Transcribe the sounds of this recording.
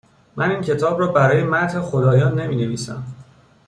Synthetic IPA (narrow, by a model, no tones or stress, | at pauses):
mʔæniːncʰe̞t̪ʰɒːbrɒːbæɾɒːjemæt̪hexod̪ɒːjɒːnːe̞miːne̞viːsæ̰m